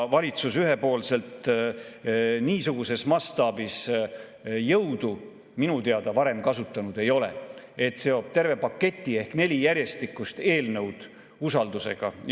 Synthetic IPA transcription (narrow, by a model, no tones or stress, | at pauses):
vɑlʲit̪susyɦe̞po̞ːlse̞lt̪ | niːsuɡ̥use̞smɑst̪ɑːbis | jɤwd̪̥u | minut̪eɑd̪̥ɑvɑɾe̞mkɑsut̪ːˑɑnud̪̥e̞jo̞le̞̰ | et̪se̞o̞ːb̥̚t̪e̞rve̞pɑkːe̞t̪ʲːˑie̞hkne̞lʲijæɾje̞st̪ikːˑust̪e̞ːlnɤwd̪̥ | usɑld̪use̞̰ɡ̥ɑ